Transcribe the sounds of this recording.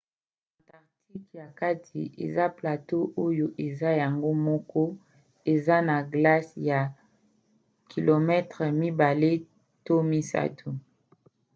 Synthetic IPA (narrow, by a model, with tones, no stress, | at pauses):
a˨nta˨ʁti˦kja˨ka˦tʰi˨ʔḛ˨za˦pla˨to˦ʔo˦jo˨ʔe˨za˦ja˨ŋɡo˦mɔ˦kɔ˦ | e˨za˦na˨ɡla˦sja˨ | kʰi˨lo˨mɛ˦tʁɛ˨mi˦ba˨le˦ | to˦mi˦sa̰˦tʰu˨